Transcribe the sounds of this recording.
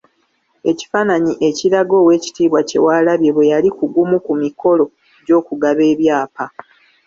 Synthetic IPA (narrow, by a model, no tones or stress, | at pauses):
e̞ci̥faːnaɲiʔe̞ciɾaɡo̞ːwe̞ːci̥tiːβwace̞̰waːlaβje̞βwe̞jalikuɡumukumiko̞lo̞ | ɟo̞ːkuɡaβe̞ːβjaːpa